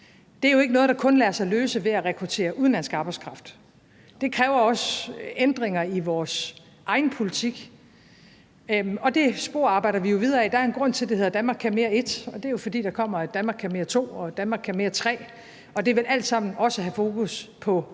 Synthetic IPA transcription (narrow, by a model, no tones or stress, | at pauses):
d̥e̝æɐjo̝e̝ɡ̥ənɔ̽ːð̞̩̥ˠɑ̈kʰɔ̽nlæɐsɑ̈ɪløːsəʋe̝æʁɛkʰʁut͡sʰe̝̰ːɐʔuðˠn̩læn̰sɡ̥ɑ̈ːb̥ɑ̈ɪskʰʁɑ̈fd̥ | d̥e̝kʰʁɛːʊɐɒ̽send̥ʁeŋɐiʋɒːs | ʔɑ̈ɪn̩pʰo̝lit͡sʰiɡ̥ | ɒ̽d̥e̝sb̥o̝ɐ̰ɑ̈ːb̥ɑ̈ɪ̰ɾ̥ɐʋijo̝ʋið̞ˠɐɛd̥ɑ̈æɐenɡ̥ʁɔ̽n̰t͡sʰe̝ld̥ehe̝ð̞ˠɐd̥ænmɑ̈ːɡkʰæme̝ːɐe̝d̥ɒ̽d̥e̝æɐjo̝fɒ̽d̥ḭːd̥ɑ̈kʰɒ̽m̰ɐɡd̥ænmɑ̈ːɡkʰæɐme̝ːɐt͡sʰo̝̰ːɒd̥ænmɑ̈ːɡkʰæɐme̝ːɐt͡sʰʁɛ̰ː | ɒ̽d̥e̝ʋe̝lʔæl̰d̥sɑ̈m̰n̩ɒ̽səɦæfo̝ːkuspʰɒ̽